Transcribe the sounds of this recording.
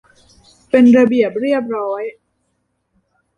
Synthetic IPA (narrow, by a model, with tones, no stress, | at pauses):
pe˧nɾa˧bi˨˩əp̚ɾi˥˩əp̚ɾɔː˦˥j